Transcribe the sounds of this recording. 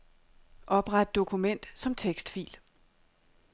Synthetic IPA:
ʔɒ̽b̥ʁad̥ːo̝kʰumen̰d̥sɒ̽mt͡sʰeɡ̥sd̥fḭːl

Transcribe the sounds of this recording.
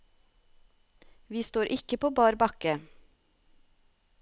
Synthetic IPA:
ʋiːst̪oːɾʔɪkəpʰoːbɑːɾbɑkə

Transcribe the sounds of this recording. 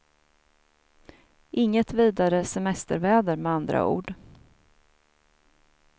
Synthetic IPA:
ʔɪŋːət̪viːd̪aɾəsɛmɛst̪əɾvɛːd̪əɾmɛand̪ɾa̰ʔṵːɖ

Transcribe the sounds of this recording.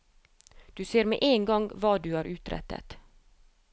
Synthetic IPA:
d̪̥ʉːseːɾmḛʔeːŋɡɔŋʋɑːd̪ʉːhæːɾʔʉːt̪ɾɛ̰t̪ʰːə̰t̪

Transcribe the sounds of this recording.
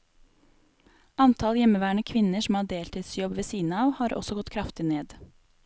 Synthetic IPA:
ʔɑnt̪ʰɑljɛməʋæːɳəkʰʋɪnəʂm̩hɑːɖeːlt̪ʰiːd̪sjɔbʋeːsiːnəɑːʋhɑːɾʔɔ̰sɔɡɔt̪kʰɾɑft̪ɪneːd̪

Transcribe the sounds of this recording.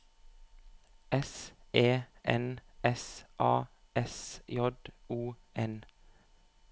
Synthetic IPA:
ʔɛsʔeːʔɛnɛsʔɑː | ɛsjɔd̪uː | ʔɛn

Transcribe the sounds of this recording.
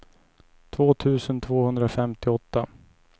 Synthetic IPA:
t̪ʰvoːt̪ʰʉ̟ːsənt̪ʰvoːhɵnd̪ɾafɛmt̪ɪɔt̪ːa

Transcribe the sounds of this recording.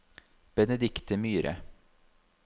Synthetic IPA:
b̥ɛnəd̪ɪkt̪əmyːɾʔə̰

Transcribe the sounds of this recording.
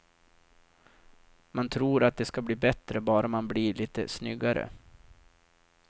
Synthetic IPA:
mant̪ʰɾuːɾat̪̚d̪ɛskabliːbɛt̪ɾəbɑːɾamanbliːliːt̪ə̰snʏɡːaɾə̰

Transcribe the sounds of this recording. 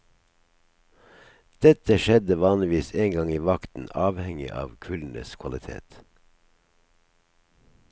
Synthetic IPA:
d̪̥ɛt̪əʃɛd̪əʋɑːnlɪʋiːseːŋɡɑŋiːʋɑkt̪n̩ɑːʋhɛŋɪ̰ʔɑ̰ːʋkʰʉln̩ə̰skʰʋɑlɪt̪ʰḛːt̪

